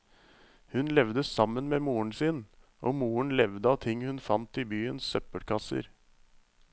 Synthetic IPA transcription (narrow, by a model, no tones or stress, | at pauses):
hʉnlɛʋd̪əsɑmːənmeːmuːəɳ̩siːnʔoːmuːəɳ̩lɛʋd̪əɑʋt̪ʰɪŋːhʉnfɑnt̪ɪbyːənsœpəɽkʰɑsə̰ɾ